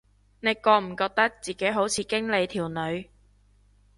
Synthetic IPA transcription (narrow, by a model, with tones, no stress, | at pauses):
ne˨˧jkɔː˧m̩˨˩kɔː˧k̚t̪ɐ˥k̚t͡siː˨ke˨˥jɦo˨˥wt͡sʰiː˨˧kɪ˥ŋle˨˧jt̪ʰiː˨˩wnɵ˨˧ɥ